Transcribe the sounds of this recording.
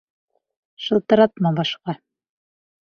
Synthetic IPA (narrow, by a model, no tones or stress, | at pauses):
ʃɤ̆lˠt̪ɤ̆ɾɑt̪mɑbɑʃqɑ